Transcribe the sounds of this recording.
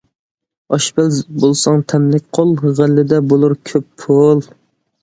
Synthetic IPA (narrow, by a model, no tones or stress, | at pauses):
ɑʃbælbolˠsɑŋt̪ʰɛmlɪk̚ʲqʰolˠʁəlːɪd̪ɛbolˠuɾkʲʰøpːʰolˠ